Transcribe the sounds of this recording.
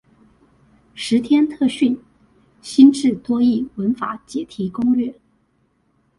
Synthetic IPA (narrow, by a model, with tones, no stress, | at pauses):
ʂɻ̩˧˥t̪ʰjɛ˥nt̪ʰɤ˥˧ɕy˥˩n | ɕi˥nʈ͡ʂɻ̩˥˩t̪wɔ˥i˥˩wə˧˥nfa̰˧˥t͡ɕjɛ˨˩t̪ʰi˧˥kʊ˥ŋɻɛ˥˩